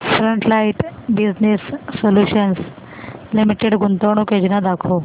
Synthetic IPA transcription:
fɾəɳʈlaiʈbiznesːoljuɕəns | limiʈeɖɡunt̪əɳ̃uked͡ʑinad̪akʰo

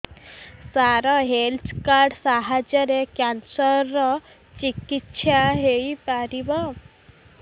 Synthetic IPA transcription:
saɾɔɦelskaɾɖsaɦad͡ʑəɾekjansəɾɔ | t͡ɕikit̪ːɕʰaɦeipaɾiba

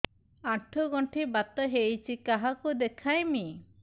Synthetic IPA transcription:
aʈʰɔɡɔɳʈʰibat̪ɔɦejt͡ʃʰikaɦakud̪ekʰajmi

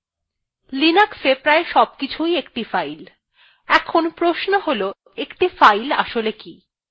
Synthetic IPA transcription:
linaksepɾaeʃɔb̚kit͡ɕʰujek̚ʈifajl | ɛkʰonpɾoʃnoɦolo | ekʈifajla̰ʃoleki

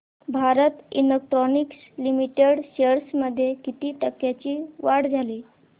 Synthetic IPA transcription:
bʱaɾət̪ḭlek̚ʈɾɔniks | limiʈeɽɕeɾsməd̪ʱːjekit̪iːt̪əkjat͡ɕiːʋaɽd͡zʱaliː

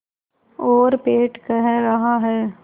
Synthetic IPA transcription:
oːɾpeːʈkɛɦɾɐɦaɦɛː

